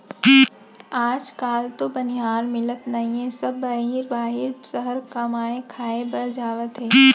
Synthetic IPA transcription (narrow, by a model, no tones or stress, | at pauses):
aːd͡ʒkaːlt̪obɐnɪɦaːɾmɪlət̪nɐɦĩɦɛ̃sɐbːaɦiːɾbaːɦɪɾsəɦəɾkɐmaːẽkʰaːebɐɾd͡ʒaːʋət̪ɦɛː